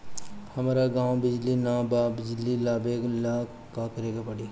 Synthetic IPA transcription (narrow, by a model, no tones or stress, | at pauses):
hɐmaːɾaɡãːwbɪd͡ʒlinaːbabɪd͡ʒlilaːbeːɡla | kakɐɾeːɡapɐɽi